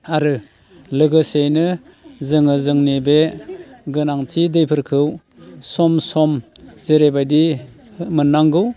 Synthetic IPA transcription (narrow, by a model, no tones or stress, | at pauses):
aɾɯ | lɯɡɯsejnɯ | zɯŋɯzɯŋnebeɡɯnaŋtʰidɯjpʰɯɾkʰɯw | sɔmsɔmzeɾebajdi | mɯnːaŋɡɯw